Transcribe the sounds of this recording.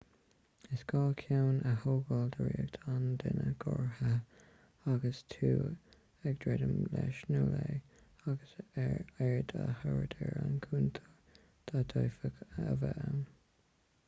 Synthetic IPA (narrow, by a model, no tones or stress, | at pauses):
ɪsɡ̥ɑːkʰjawnʔəhoːɡəld̪əɹiːəɡt̪ʰand̪ɪnəɡ̥ɔɹhə | aɡəstʰuː | ɛɡ̚d̥ɹɛdəmlɛʃnuːleː | aɡəsɛɹd̪ahəɹdʰɛɹankʰuːnt̪ʰə̥ | d̪̥adʰɔjfəkəvɛn